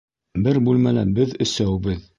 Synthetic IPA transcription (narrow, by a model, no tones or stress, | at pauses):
bɘɾbulmælæbɘðɵ̆sæwbɘð